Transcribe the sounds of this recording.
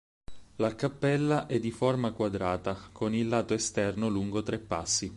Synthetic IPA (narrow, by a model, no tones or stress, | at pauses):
lakapːɛlːaʔɛd̪ːiformakwad̪ɾaːt̪akonilːaːt̪oest̪ɛrnoluŋɡot̪ɾɛpːa̰sːi